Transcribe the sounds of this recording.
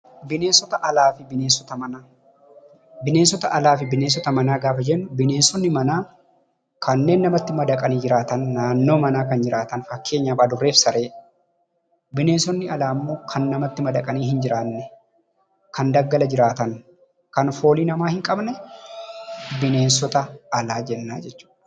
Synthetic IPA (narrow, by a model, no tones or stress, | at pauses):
bɪne̞ːnsɔt̪ɐʔɐlaːfɪbɪneːnsɔt̪ɐmɐnaː | bɪneːns̬ɔt̪ɐʔɐlaːfɪbɪneːns̬ɔt̪ɐmɐnaːɡaːfɐd͡ʒɛnːʊbɪne̞ːnsɔnːɪmɐnaː | kʰɐnːe̞ːnːɐmɐt̪ːɪmɐd̪ɐkʼɐniːd͡ʒɪɾaːt̪ɐnːaːnːo̞ːmɐnaːkɐnd͡ʒɪɾaːt̪ɐnfɐkːe̞ːɲːaːbaːd̪ʊrːe̞ːfsɐɾʔe̞ː | bɪne̞ːnsɔnːɪɐlaːmːo̞ːkʰɐnːɐmɐt̪ːɪmɐd̪ɐkʼɐniːhɪnd͡ʒɪɾaːnːɛ | kɐnd̪ɐɡːɐlɐd͡ʒɪɾaːt̪ɐn | kɐnfo̞ːliːnɐmaːhɪŋkʼɐbnɛ | bɪne̞ːnsɔt̪ɐɐlaːd͡ʒɛnːaːd͡ʒɛt͡ʃːu̥ːᶑɐ̥